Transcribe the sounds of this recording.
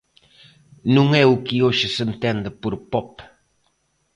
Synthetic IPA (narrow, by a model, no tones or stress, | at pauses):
nuŋɛukioʃəsənt̪ɛnd̪əpuɾpɔp